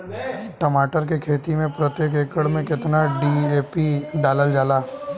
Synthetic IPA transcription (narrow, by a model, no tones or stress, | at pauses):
ʈəmaːʈəɾk̬ekʰeːt̪imẽpɾət̪jeːk̬eːkəɽmẽkɪt̪naɖieːpiɖaːləld͡ʒaːlaː